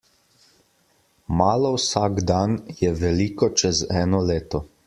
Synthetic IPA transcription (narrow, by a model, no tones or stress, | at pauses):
maːlɔwsaːɡd̪anjɛʋɛliːkɔt͡ʃɛzɛːnɔleːt̪ɔ